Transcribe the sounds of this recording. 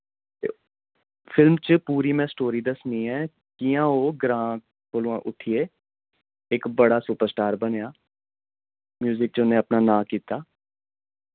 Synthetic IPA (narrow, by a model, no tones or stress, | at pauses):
t̪ḛː | pʰɪlmt͡ʃəpuːɾiːmɛ̃ːsʈoːɾiːd̪əsniːɛ̃ː | kiːãːoːɡɾãː | koluːãːʔʊʈ̪ʰːieː | ɪkbəɽaːsuːpəɾsʈaːɾbəneːaː | mjuːzɪk̚t͡ʃʊnːẽːəpnaːnãːkiːt̪aː